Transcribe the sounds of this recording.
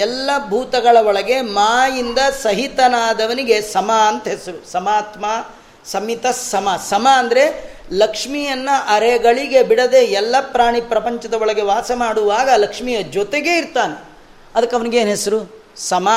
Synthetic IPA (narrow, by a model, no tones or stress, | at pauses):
ɛlːɐbʱuːt̪ɐɡɐɭɐɔɭɐɡe̞maːjind̪ɐsɐɦit̪ɐnaːd̪ɐʋɐniɡe̞sɐmaɐnt̪ɐɦesɐɾusɐmaːt̪maː | sɐmit̪ɐsɐmɐsɐmaːnd̪ɐɾe̞ | lɐkʂmijɐnːɐʔɐɾeɡɐɭiɡe̞biɽɐd̪eɛlːɐpɾaːɳipɾɐpɐɲt͡ʃɐd̪ɐɔɭɐɡe̞ʋaːsɐmaːɽuʋaːɡɐlɐkʂmijɐd͡ʒɔt̪eɡe̞iɾt̪aːne | ɐd̪ɐkːɐʋɐniɡeːnɦe̞sɐɾu | sɐma